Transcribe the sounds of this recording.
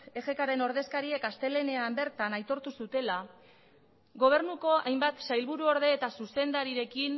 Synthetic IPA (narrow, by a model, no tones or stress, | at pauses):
e̞ɣe̞kaɾe̞no̞ɾð̞e̞skaɾie̞kast̪e̞le̞ne̞ambe̞ɾt̪anajt̪o̞ɾt̪usut̪e̞la | ɣo̞β̞e̞ɾrnuko̞ajmbat̪sajlβuɾuo̞ɾðe̞ːt̪asuse̞nd̪aɾiɾe̞kin